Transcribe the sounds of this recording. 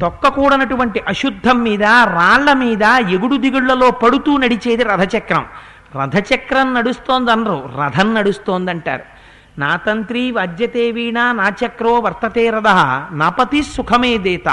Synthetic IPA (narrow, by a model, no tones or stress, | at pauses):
t̪ɔkːɐkuːɽɐnɐʈuʋɐɳʈiʔɐʃud̪ʱːɐmːiːd̪ɐɾaːɭːɐmiːd̪ɐjeɡuɽud̪iɡuɭːɐlo̞ːpɐɽut̪uːnɐɽit͡ʃeːd̪iɾɐd̪ʱɐt͡ʃɐkɾɐ̰m | ɾɐ̰d̪ʱɐt͡ʃɐkɾɐnnɐɽust̪o̞ːnd̪ɐnɐɾuːɾɐd̪ʱɐnːɐɽust̪oːnd̪ɐɳʈa̰ːɾu | naːt̪ɐnt̪ɾiʋaːd͡ʒ̪jɐt̪eːʋiːɳaːnaːt͡ʃɐkɾoːʋɐɾt̪ɐt̪eːɾɐd̪ɐɦɐnɐpɐt̪isukʰɐmeːd̪eːt̪ɐ̰